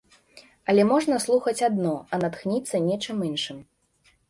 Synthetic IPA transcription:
ɐlʲɛmɔʐnɐslˠuxɐt͡sʲad̪nɔɐnat̪xnʲit̪sːɐnʲɛt͡ʂɨminʂɨm

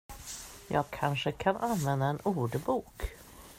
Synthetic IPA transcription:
jɑːɡ̚kʰanʂəkʰanʔanvɛnd̪aɛnuːɖəbuːk

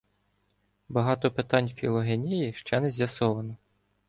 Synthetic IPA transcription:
bɐɦɑt̪ɔpet̪ɑnʲfʲilˠɔɦenʲijiʃt͡ʃɛnɛzʲjɐsɔʋɐnɔ

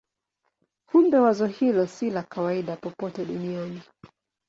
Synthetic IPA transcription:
humbɛwazɔhilɔsilakawaiɗapɔpɔtɛɗuniani

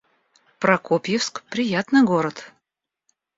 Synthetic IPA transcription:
pɾɐkopʲjɪfskpɾʲɪjat̪nɨjɡoɾət̪

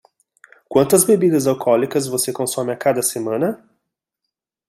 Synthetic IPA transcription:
kwɐ̃nt̪ɐzbebid̪ɐzawkʰɔlikɐzvosekõsɔ̃mɪakad̪ɐsemɐ̃nɐ

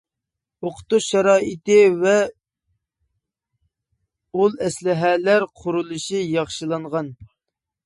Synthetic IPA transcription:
oqʰʊ̥t̪uʃɑɾɑːit̪ɪvɛ | ulˠɛslɪɦɛlæɾqʰʊɾulˠɨʃijɑχʃɨlˠɑɴʁɑn

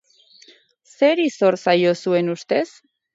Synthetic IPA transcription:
se̞ɾiso̞ɾsajo̞sue̞nust̪e̞s

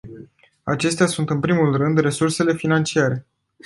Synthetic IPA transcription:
at͡ʃe̞st̪easunt̪ɨnpɾimulrɨnd̪re̞surse̞le̞finant͡ʃiaɾe̞

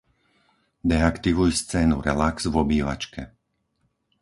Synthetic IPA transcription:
d̪ɛakt̪iʋujst͡sɛːnuɾɛlaksvɔbiːʋa̰t͡ʃkʰɛ

